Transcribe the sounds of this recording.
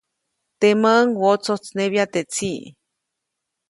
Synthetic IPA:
t̪eməʔŋwot͡sot͡sneβjat̪et͡siʔ

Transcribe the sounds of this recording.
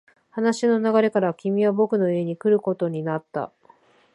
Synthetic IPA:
hanaɕino̞naɡaɾe̞kaɾakʲimʲiβabo̞kɯ̟no̞ie̞ɲ̟ikɯ̟ɾɯ̟ko̞t̪o̞ɲ̟inat̪ːa̰

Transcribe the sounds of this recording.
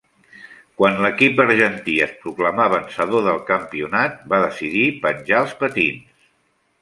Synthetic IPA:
kwanləkip̚d̪əɾʒənt̪iəspɾukləmaβənsəðoðəlˠkəmpiunat̪̚baðəsiðipənʲʒaəlˠspət̪ins

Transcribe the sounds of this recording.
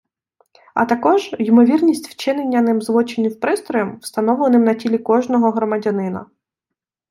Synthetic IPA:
ɐ̰t̪ɐkɔʒjimɔʋʲirnʲisʲtʲw̥t͡ʃɪnenʲːɐnɪmzlˠɔt͡ʃenʲːiwpɾɪst̪ɾɔjɐmwst̪ɐnɔʋlˠenɪmnɐtʲilʲikɔʒnɔɦɔɦɾɔmɐdʲɐnɪnɐ̰

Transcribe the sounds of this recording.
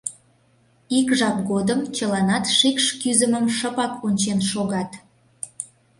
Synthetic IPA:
ikʒɑp̚ɡod̪əmt͡ɕəlɑnɑt̪ʃikʃkyzəməmʃəpɑkunʲt͡ɕenʃoɣɑt̪

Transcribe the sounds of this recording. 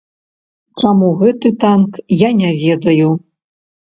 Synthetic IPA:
t͡ʂamuɣɛt̪ɨt̪ankjanʲɛvʲɛd̪ɐju

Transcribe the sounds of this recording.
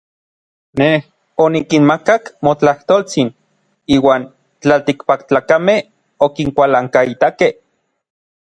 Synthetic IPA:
neh | onikinmakakmot͡ɬaht̪oːlt͡sin | iːwaːn | t͡ɬalt̪ikpakt͡ɬaːkameh | okiŋkʷalaŋkait̪akeh

